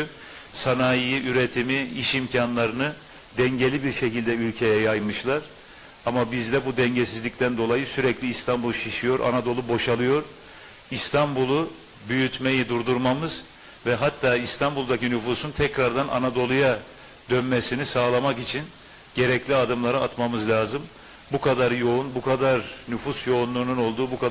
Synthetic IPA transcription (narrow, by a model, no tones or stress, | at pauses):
sanajijiʔyɾet̪ʰimiiʃimcʰanlˠaɾɯnɯ | d̪ɛɲɟelʲibiɾʃecilʲd̪ɛylʲcʰe̞jɛjajmɯʃlˠaɾ̥ | amabizd̪ɛbud̪ɛɲɟesizlʲict̪ʰænd̪o̞lˠajɯsyɾɛclʲiːst̪ʰambulˠʃiʃijo̞ɾʔa̰nad̪o̞lˠubo̞ʃalˠɯjo̞ɾ̥ | ist̪ʰambulˠu | byjyt̪me̞jid̪uɾd̪uɾmamɯz̥ | vɛɦat̪ʰːaːist̪ʰambulˠd̪acinyfuːsunt̪ʰɛcɾaɾd̪anʔa̰nad̪o̞lˠuja | d̪ønmesinisaːlˠamakit͡ʃʰin | ɟ̥e̞ɾɛclʲiad̪ɯmlˠaɾaa̰t̪mamɯzlʲaːzɯm | bukʰad̪aɾjo̞unbukʰad̪aɾnyfusjo̞unlˠuːnuno̞lˠd̪uːbukʰa